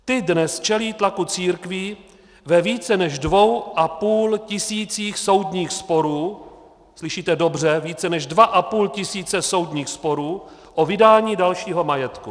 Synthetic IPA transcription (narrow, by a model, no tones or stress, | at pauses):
t̪ɪdnɛst͡ʃɛliːt̪lakut͡siːɾkvi | vɛviːt͡sɛnɛʒdvo̞wʔapuːlcɪsiːt͡siːxso̞wdɲiːxspo̞ɾuː | slɪʃiːt̪ɛdo̞br̝ɛviːt͡sɛnɛʒdvaʔapuːlcɪsiːt͡sɛso̞wdɲiːxspo̞ɾuː | ʔo̞vɪdaːɲiːdalʃiːɦo̞majɛt̪ku